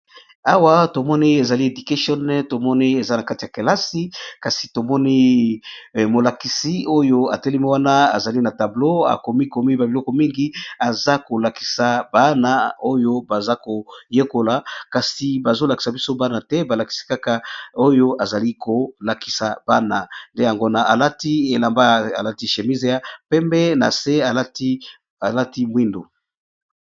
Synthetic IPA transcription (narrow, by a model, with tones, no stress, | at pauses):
a˦wa˦to˨mɔ˦ni˦e˨za˨li˦e˨di˨ke˦ʃɔ˦n˦to˨mɔ˦ni˦e˨za˦na˨ka˦ti˨a˨ke˨la˦si˦ka˨si˨to˨mɔ˦ni˦˨ | mo˨la˨ki˨si˦o˦jo˦a̰˨te˦le˦mi˦wa˦na˦a̰˨za˨li˦na˨ta˨blo˦a̰˨ko˨mi˦ko˨mi˦ba˨bi˨lɔ˦kɔ˨mi˦ŋɡi˦a˨za˦ko˨la˨ki̥˨sa˨ba˦na˦o˦jo˦ba˨za˦ko˨je˦ko˨la˨ka˨si˨ba˨zo˦la˨ki̥˨sa˨bi˦so˦ba˦na˨tɛ˦ba˨la˨ki̥˨˦si̥˦ka˦ka˨o˦jo˦ʔa˨za˨li˦ko˨la˨ki̥˨sa˨b̥a˦na˨nde˦ja˨ŋɡo˦na˨ʔa˨la˦ti˦e˨la˨mba˦a̰˨la˦ti˦ʃe˨mi˦ze˨ja˨pɛ˦mbɛ˦na̰˨se˦a˨la˦ti˦ | a˨la˦ti˦mwi˦ndo̰˨